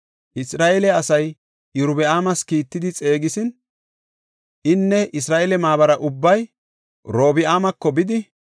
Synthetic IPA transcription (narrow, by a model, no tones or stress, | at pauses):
ʔɪsɾaːʔeːlɛɐsɐj | ɪɾʊbɪaːmɐskiːt̪ːɪd̪ɪt͡sʼe̞ːɡɪsɪn | ʔɪnːɛʔɪsɾaːʔeːlɛmaːbɐɾɐʔʊbːɐj | ɾo̞ːbɪaːmɐkːɔbɪd̪ɪ